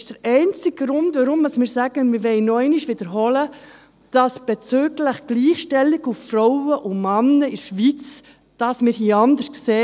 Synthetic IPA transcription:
ʃd̥əɾɛɪnt͡sɪɡɡɾʊndvaɾʊmdɑsmɪːɾsæɡ̥əmɪɾʋɛɪnɔɛɪniʃʋɪd̥əɾɦɔlə | d̥ɑsb̥ɛt͡søːɡləχɡ̥liːχʃtɛlːɪɡuffɾɔʊəʔʊmɑnːəɪʃʋit͡s | d̥ɑsmɪːɾhiːəɑndəskseː

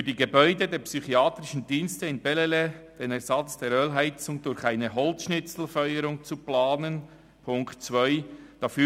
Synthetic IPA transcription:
fyːdiːɡebœʏdədeːɹpsyχiaːtɾɪʃən̩diːnstəɪnbɛleled̥eːnɛɾz̥ɑt͡sd̥eːɾøːlɦaɪt͡sʊŋdʊɾçaɪnəɦɔlt͡sʃnɪt͡sl̩fœʏəɾʊŋt͡suplaːnən | pʰʊŋktt͡svœʏd̥ɑfyː

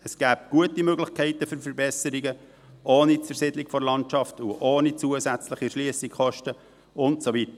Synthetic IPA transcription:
əsɡ̥æːp̚ɡ̥uətimøɡlɪχkʰɛɪtəfʏɾfəɾbɛsəɾiɡə | oːnit͡sʊɾsɪdlikfɔɾlɑntt͡ʃɑftuʔoːnit͡suəsæt͡sləχiʃliəsikχɔʃtə | ʊntsovit̪ə

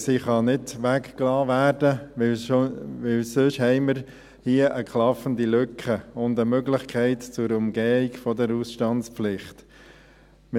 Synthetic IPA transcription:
siχɑnɪdʋækklɑːʋæːɾd̥ə | ʋɪlsøʃhɛɪməɾ | hiəʔəkχlɑfəndiløkʰəʊndəmøɡlɪχkʰɛɪtt͡sʊɾʊmɡɛːikfɔdəɾusʃtɑntspflɪχt | m

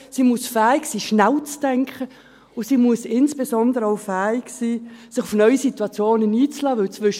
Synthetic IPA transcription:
siːmuəsfɛːiksiːʃnælt͡sd̥ɛŋkχə | ʊsiːmuəsɪnsb̥ezɔnd̪əɾəɔʊfæːiksiːsɪχʊfnœʏsitwɑt͡sjoːnəniːt͡slɑːʋʏlt͡svʏʃ

